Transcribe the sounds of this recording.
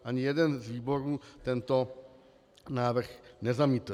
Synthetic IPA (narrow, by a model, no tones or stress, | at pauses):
ʔaɲijɛdɛnzviːbo̞ɾuːt̪ɛnt̪o | naːvr̩xnɛzamiːt̪